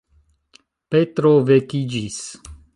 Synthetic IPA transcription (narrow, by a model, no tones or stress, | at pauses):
pet̪ɾovekid͡ʒis